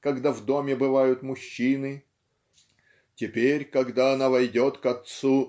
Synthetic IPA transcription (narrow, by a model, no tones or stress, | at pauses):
kɐɡd̪avd̪o̞mʲɪbɨvajʊt̪mʊɕːinɨ | tʲɪpʲeɾʲkɐɡd̪aɐnavɐjdʲot̪kɐt̪su